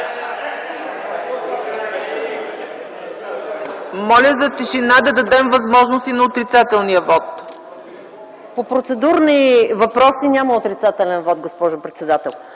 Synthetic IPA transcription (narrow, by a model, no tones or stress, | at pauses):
mɔlʲəzɐt̪iʃinad̪ɐd̪ɐd̪ɛmvɐzmɔʒnost̪inɐot̪ɾit̪sat̪ɛlˠniəvɔt̪ | popɾot̪sɛd̪uɾnivɐpɾɔsinʲaməot̪ɾit̪sat̪ɛlʲɛnvɔt̪̚ɡospɔʒʊpɾɛt̪sɛd̪at̪ɛlˠ